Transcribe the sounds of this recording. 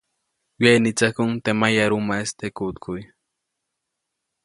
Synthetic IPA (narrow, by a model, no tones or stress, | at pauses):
wenit͡sakʊŋt̪emajaɾumaest̪ekut̪kʰuj